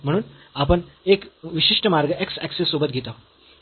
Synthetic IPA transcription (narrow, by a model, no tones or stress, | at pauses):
m̤əɽ̃uːnapəɳekʋiɕiʂʈəmaɾɡəʔeksæksesːobət̪̚ɡʱet̪a